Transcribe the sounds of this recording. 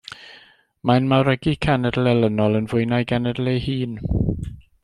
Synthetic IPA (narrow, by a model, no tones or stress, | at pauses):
manmawɾɛɡikʰanɛdlɛlˠənɔlˠənvʊɨnajɡanɛdlejhiːn